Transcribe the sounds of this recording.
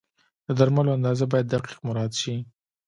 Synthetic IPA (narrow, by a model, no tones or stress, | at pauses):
d̪̥əd̪aɾmaloand̪ɑzabɑjad̪ːaqi̥qmʊɾɑd̪ʃi